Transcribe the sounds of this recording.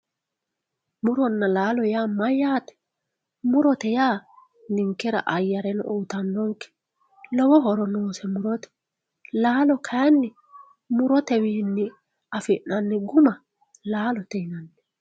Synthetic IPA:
mʊɾɔnːɐlaːlɔjaːmɐjaːt̪ɛ̥ | mʊɾɔt̪ɛjaː | nɪŋkːɛɾɐ̰ʔɐjːɐɾɛnɔwt̪ɐnːɔŋkːɛ̥ | lɔwɔɦɔɾɔnoːsɛmʊɾɔt̪ɛ̥ | laːlɔkʰɐjɐnːɪ | mʊɾɔt̪ɛwiːnːɪ | ɐfɪʔːɐnːɪɡʊmɐ | laːlɔt̪ɛɪnɐnːɛ̥

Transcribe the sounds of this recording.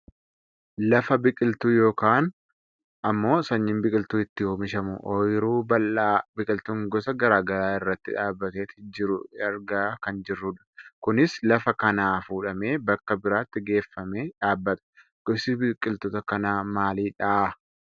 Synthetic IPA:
lɐfɐbɪkʼɪlt̪uːjo̞ːkaːn | ɐmːo̞ːsɐɲːɪmbɪkʼɪlt̪uːɪt̪ːɪjoːmɪʃɐmʊ̰ʔɔjɾuːbɐlːaːbɪkʼɪlt̪uːŋɡɔsɐɡɐɾaːɡɐɾaːɪrːɐt̪ːɪᶑaːbːɐt̪eːt̪ɪd͡ʒɪɾʊɐɾɡaːkɐnd͡ʒɪrːʊᶑɐ̥kʊnɪslɐfɐkɐnaːfuːᶑɐme̞ːbɐkːɐbɪɾaːt̪ːɪɡe̞ːfːɐmeːᶑaːbːɐt̪ɐ̥ | ɡ̥ɔsɪbɪkʼːɪlt̪ɔːt̪ɐkɐnaːmaːliːᶑaʔ

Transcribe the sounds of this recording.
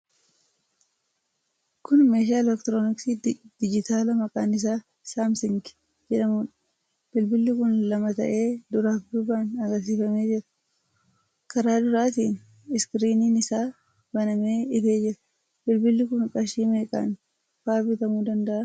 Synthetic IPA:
kʊnmeːʃ̬aːɪlɛkt̪ɾoːnɪksiːdd̪̥ɪd͡ʒɪt̪aːlɐmɐkʼaːnɪs̬aː | saːmsɪŋɡ | d͡ʒɛᶑɐmuːᶑɐ̥ | b̥ɪlbɪlːɪkʊnlɐmɐt̪ɐ̰ʔeːd̪ʊɾaːfd̪ʊbaːnɐɡɐɾs̬iːfɐme̞ːd͡ʒɪɾɐ̥ | kɐɾaːd̪ʊɾaːt̪̬iːn | ɪskɾiːniːnɪsaː | b̥ɐnɐme̞ːɪfe̞ːd͡ʒɪɾɐ | b̥ɪlbɪlːɪkʊnkʼɐʃiːmeːkʼa̰ːn | faːbɪt̪ɐmuːd̪ɐnd̪ɐʔɐ

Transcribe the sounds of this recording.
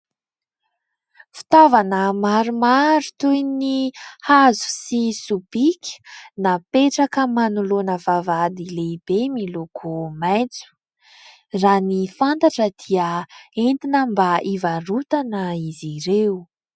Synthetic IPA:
fi̥t̪avanəmaɾumaɾut̪ujnihazu̥sisub̥ikʲi̥napeʈ͡ʂakəmanulonəvavad̪ileib̥emilokʰomajt͡su̥ | ranifant̪aʈ͡ʂəd̪̥iəent̪inəmbaʔivarut̪anəiziɾewu

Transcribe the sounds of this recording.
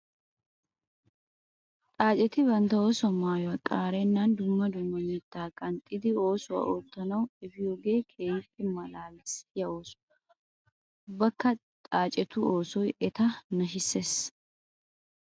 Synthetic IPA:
t̪ʼaːt͡ʃʼɛt̪ɪbɐnt̪ɐo̞ːsʊɐmaːjwɐkʼaːɾɛnːɐnd̪ʊmːɐd̪ʊmːɐmɛt̪ːaːkʼɐnt̪ʼːɪd̪ɪo̞ːsʊwɐ̰ʔoːt̪ːɐnɐwɛfɪjoːɡe̞ːkʰeːjpʼːɪmɐlaːlɪsjɐoːsʊ̥ | bɐkːɐt̪ʼaːt͡ʃʼɛt̪ʊo̞ːsɔjɛt̪ɐnɐʃɪsːeːs

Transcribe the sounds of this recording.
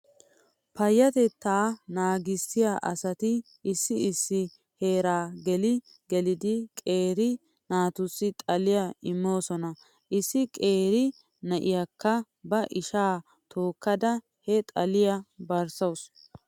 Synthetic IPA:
pɐjːɐt̪ɛt̪ːaːnaːɡɪsɪjaʔɐsɐt̪ɪː | sːɪɪsːɪ | he̞ːɾaːɡɛlɪ | ɡɛlɪd̪ɪkʼe̞ːɾɪ | naːt̪ʊsːɪt̪ʼɐlɪjaɪmːo̞ːsɔnɐ | ʔɪsːɪkʼe̞ːɾɪ | nɐʔɪjakːɐ | bɐʔɪʃaː | t̪ʰoːkːɐd̪ɐ | hɛt̪ʼɐlɪjɐbɐɾsɐws

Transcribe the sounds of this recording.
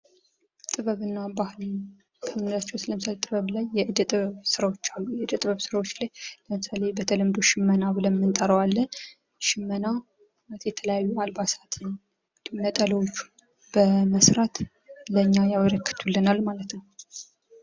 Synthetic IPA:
t̪ʼɨβəβɨnːabahɨl | kʰəmnzat͡ʃːɛwsləmɨsalet̪ʼɨβəβlajːɛʔɨd̪ət̪ʼɨβəβsɨɾawo̞t͡ʃːalːujɛɨd̪ət̪ʼɨβəβsɨɾawo̞t͡ʃːlajləmɨsale̞bət̪ʰələmd̪oʃɪmːənabɨləmːɨnt̪ʼəɾəwalːə | ʃɪmːəna | at̪jɛt̪ʰələjajːualbasat̪ʰɨn | d̪nət̪ʼələwot͡ʃːu̥ | b̥əməsɾat̪ | ləɲːajaβəɾəkːɨ̥t̪ʰulːɨnalːmalət̪nəw

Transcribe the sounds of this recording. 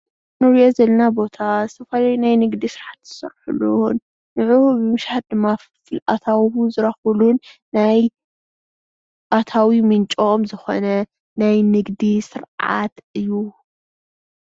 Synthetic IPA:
nuɾiozɐlɐnabo̞t̪ʰasɐfalajnajnɨɡd̪isɨɾʕat̪z̥ɨsɐɾħulunː | ɨʕɨwuβɨmɨʃaħat̪̚d̪ɨmːa | fɨlʔa̰t̪ʰawuzɨɾɐxulunː | aj | at̪ʰawimɨnt͡ʃʼomzɨxo̰nɐ | najnɨɡd̪isɨɾʕa̰t̪ɨjːu

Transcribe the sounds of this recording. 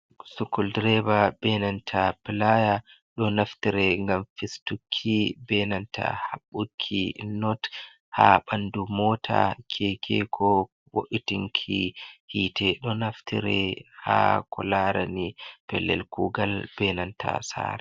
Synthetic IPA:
sukːuldɾɛbabɛnantʰapilaja | ɗɔnaftiɾɛŋɡamfistukʰːibɛnanta̰haɓːukʰːinɔt | haɓandumɔːtʰa̰kʰɛkʰɛkʰɔ | wo̰ʔitiŋkʰihitɛɗɔnaftḭɾɛhakɔlaɾanipɛlːɛ̰lkuɡalb̥ɛnantʰa̰sa̰ːɾɛ

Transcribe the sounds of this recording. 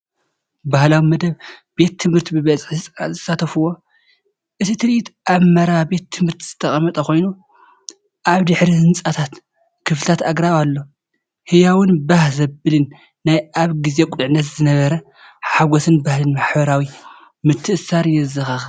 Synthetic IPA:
bahlawimɐd̪ɐβbe̞t̪ʰːɨmhɨɾt̪ʰibɨβɐt͡sʼɨħzsʼzɐsat̪ʰɐfuwːo̞ | ʔɨt̪ʰit̪ʰɨɾɨʔit̪ʔaβmɐɾabe̞t̪ʰːɨmhɨɾt̪ʰiz̥ɨt̪ʰɐχʼɐmɐt̪ʼɐko̞jnu | ʔaβd̪ɨħɾihɨnt͡sʼat̪ʰat̪ | kʰɨflɨt̪ʰat̪aɡɾaβalːo̞ | hɨjawɨnbahzɐbɨlɨnː | ajʔaβɡize̞kʼlʕnːɐt̪zɨnɐβɐɾɐ | ħaɡosɨnbahlɨnmaħbɐɾawi | mɨt̪ʰːɨʔɨsaɾjɛzɨxax

